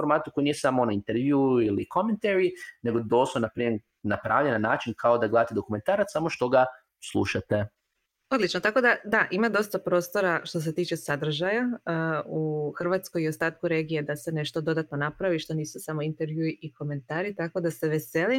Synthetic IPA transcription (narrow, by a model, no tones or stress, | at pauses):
oɾmaːt̪ukojnijesamoonaint̪eɾʋjuiliko̞ment̪eɾineɡo̞d̪osonapɾiːme | napɾaːʋʎenanaːt͡ʃinkʰaod̪aɡled̪at̪ed̪o̞kume̞nt̪aːɾat̪samoʃt̪o̞ɡa | slˠṵʃat̪e | o̞d̪lit͡ʃnot̪ako̞d̪ad̪aʔimad̪o̞st̪apɾost̪o̞ɾaʃt̪o̞s̬e̞t̪iːt͡ʃesad̪r̩ʒajaəuxr̩ʋat̪sko̞jio̞st̪aːt̪kuɾe̞ːɡijed̪ase̞ne̞ʃt̪o̞d̪o̞d̪at̪no̞napɾaʋiʃt̪o̞niːsusamo̞int̪e̞ɾʋjuiʔiko̞me̞nt̪aːɾit̪ako̞d̪ase̞ʋe̞se̞li